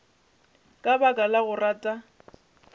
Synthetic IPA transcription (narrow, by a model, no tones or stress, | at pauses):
kʼabakʼalaɣʊraːtʼa